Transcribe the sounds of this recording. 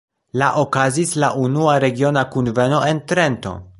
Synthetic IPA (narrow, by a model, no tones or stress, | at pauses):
laʔokazislaʔunuaɾe̞ɡio̞nakunve̞no̞e̞nt̪ɾe̞nto̞̰